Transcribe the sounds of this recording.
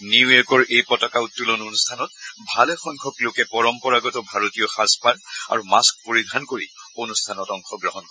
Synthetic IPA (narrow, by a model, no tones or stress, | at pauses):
nijeɹkɔɹʔejpɔtɔkautːulononustʰanɔt̚bʱalɛxɔŋkʰɔklokɛpɔɹɔmpɔɹaɡɔtɔbʱaɹotijɔxaspaɹa̰ɹumask̚poɹidʱankoɹionustʰanɔtɔŋxɔɡɹɔɦɔnkɔ